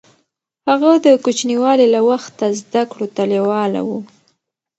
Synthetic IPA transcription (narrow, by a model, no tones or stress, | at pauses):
haɣad̪əkut͡ʃniwɑlilawaxt̪azd̪akɽot̪aliwɑla̰wu